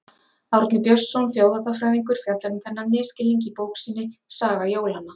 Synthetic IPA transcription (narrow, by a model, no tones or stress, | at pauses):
awɾt̪nɪpjœsːɔwnθjowðat̪afɾajðiŋkʏɾ̥fjat̪laɾʏmθɛnːanɪːscɪliɲc̬ɪpoːwksinːɪsaːɣajoːwlana